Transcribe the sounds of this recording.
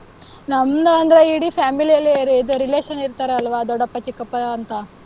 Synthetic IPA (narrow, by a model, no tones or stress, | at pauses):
nɐmd̪ɐɐnd̪ɐɾeiɽipʰaːmilijɐlːieɾeːd̪oɾileːʃɐniɾt̪aːɾeɐlʋaːd̪ɔɖɐpːɐt͡ʃikːɐpːɐːnt̪a